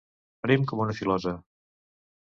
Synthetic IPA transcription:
pəɾimkɔmunəfilɔzə

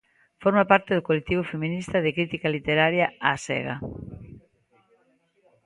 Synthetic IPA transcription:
foɾmapaɾt̪ɪðʊkolek̚t̪iβ̞ofemĩnist̪ɐðɪkɾit̪ikalit̪eɾaɾjaasɛ̰ɣa̰

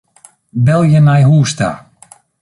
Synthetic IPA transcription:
bɛlˠjənajɦuːsta̰

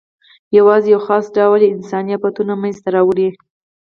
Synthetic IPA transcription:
jawɑzejawxɑsɖɑwlɪnsɑnijat̪̚pat̪unamanzt̪aɾɑwɽi

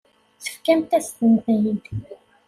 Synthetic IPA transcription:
θə̥fkæmt̪æst̪ənθæjin

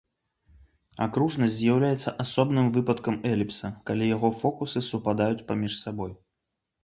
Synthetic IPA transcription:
a̰kɾuʐnɐzʲzʲjawlʲajɛt̪sːɐʔasɔbnɨmvɨpɐt̪kɐmɛlʲipsɐkalʲijaɣɔfɔkusɨsupad̪ajut͡sʲpamʲiʂsabɔj

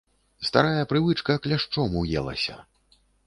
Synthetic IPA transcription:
st̪a̰ɾajɐpɾɨvɨt͡ʂkɐklʲaʂt͡ʂɔmujɛ̰lˠɐ̰sʲɐ̰

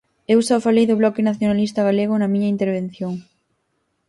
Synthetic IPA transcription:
ewsawfalejðʊβlɔkɪnaθjonalist̪ɐɣaleɣ̞ʊnɐmiɲɐint̪eɾβ̞en̟θjoŋ

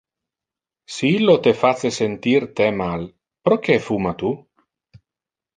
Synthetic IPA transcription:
siilːot̪efat͡sesent̪irt̪ɛmal | pɾok̟efumat̪u

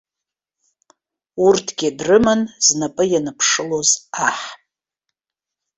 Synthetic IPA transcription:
urtʰɡʲidrɨmanznapʼɨjanɨpʰʂɨlozaħʼ

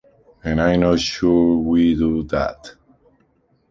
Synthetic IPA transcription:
ɨ̃najnoʃuɹwiduðæ̰t

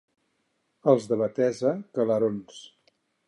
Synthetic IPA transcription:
əlˠzðəβət̪ɛzəkələɾons

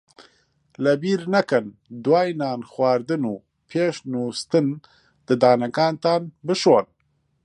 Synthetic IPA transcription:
labiːɾnakand̪waːjnaːnxwaːɾd̪ɨnu | pʰeːʃnust̪ən | d̪̥əd̪aːnakaːnt̪aːnbɨʃoan

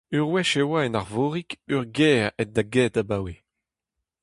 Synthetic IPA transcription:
yʁwɛʃewaɛnaʁvoːʁikyʁɡɛːʁɛt̚d̪aɡɛːt̪abaːwe

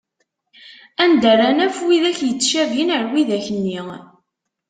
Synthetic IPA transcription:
ænd̪ərænæfwiðæçjət͡sːʃævinəɾwiðæçənːi

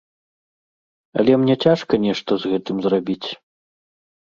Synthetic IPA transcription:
ɐ̰lʲɛmnʲɛt͡sʲaʂkɐnʲɛʂt̪ɐzɣɛt̪ɨmzrabʲit͡sʲ

